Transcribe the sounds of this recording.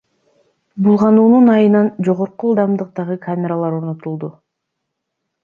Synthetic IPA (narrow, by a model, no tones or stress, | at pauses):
bulˠʁɑnuːnunɑjɯnɑnd͡ʒo̞ʁo̞ɾqulˠd̪ɑmd̪ɯq̚t̪ɑʁɯkʰamʲeɾalˠɑɾo̞ɾno̞t̪ulˠd̪u